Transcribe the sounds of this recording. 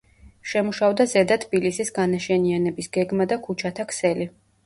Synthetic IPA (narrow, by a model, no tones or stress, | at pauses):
ʃɛmuʃavd̪azɛd̪at̪ʰbilisisɡanaʃɛnianɛbisɡ̥ɛɡmad̪akʰut͡ʃʰat̪ʰakʰsɛli